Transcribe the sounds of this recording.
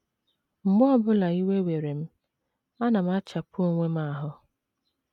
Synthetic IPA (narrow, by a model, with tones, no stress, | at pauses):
m̩˨m˦ɔ˦bʊ˦la˨i˦we˦we˨ɾe˨m̩˦ | a˦na˨m̩˦a˦t͡ʃa˨po˦ŋʷe˦m̩˦a˦˨ɦʊ˦